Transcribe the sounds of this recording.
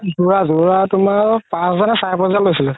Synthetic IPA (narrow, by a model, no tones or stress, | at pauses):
zuɹazuɹatʊmaɹpãszɔnasaɹpɔzanlojsilʊ